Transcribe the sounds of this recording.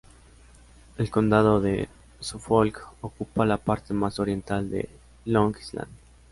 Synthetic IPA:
elkond̪aðoðe | sufolkokupalapaɾt̪emasoɾje̞nt̪ald̪ḛ | loŋkisla̰nd̪

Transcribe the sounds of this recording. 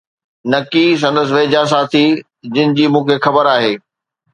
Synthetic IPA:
nɐkis̬ɐ̃nd̪əs̬ɪ̆ʋeːd͡ʑaːs̬aːt̪ʰi | d͡ʑɪnɪ̆d͡ʑiːmũːkʰexɐbəɾaːɦeː

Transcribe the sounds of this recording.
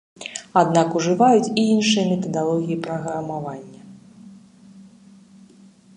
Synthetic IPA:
ad̪nakuʐɨvajut͡sʲiinʂɨjɐmʲɛt̪ɐd̪alˠɔɣʲijipɾɐɣɾɐmavanʲːɐ

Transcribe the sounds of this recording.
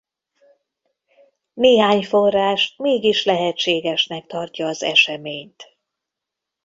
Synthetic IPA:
neːɦaːɲfo̞rːaːʃt̪meːɡiʃlɛɦɛt͡ʃːeːɡɛʃnɛk̚t̪ɒrcɒːzɛ̰ʃɛmeːɲt̪

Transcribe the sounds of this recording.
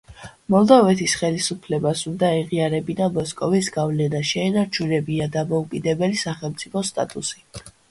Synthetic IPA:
mɔlˠd̪avɛt̪ʰisχɛlisupʰlɛbasund̪aɛʁiaɾɛbinamɔskʼɔvisɡavlɛnaʃɛːnaɾt͡ʃʰuɾɛbiad̪amɔukʼid̪ɛbɛlisaχɛlˠmt̪sʼipʰɔst̪ʼa̰t̪ʼṵsi̥

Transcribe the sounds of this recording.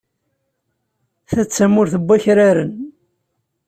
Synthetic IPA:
θæt͡sːæmʊɾθəbʷːaçɾaɾən

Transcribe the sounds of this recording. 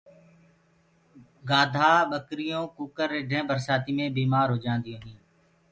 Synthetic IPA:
ɡaːd̪ʱaːɓəkɾɪjõːkuːkəɾɪɖʱẽːbəɾsaːt̪iːmẽːbiːmaːɾɦoːd͡ʒãːnd̪ijõːɦĩː

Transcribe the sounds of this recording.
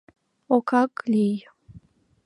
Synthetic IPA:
okʰakʼlij

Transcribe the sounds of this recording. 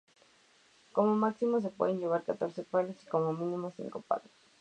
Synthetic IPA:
komomaksimos̬epweðeɲɟeβ̞aɾkat̪oɾsepaleskomomĩnimosḭŋkopa̰ɣes

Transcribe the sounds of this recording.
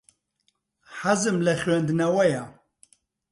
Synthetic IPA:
ħazɨmlɐχʲɥend̪nɐwɐja

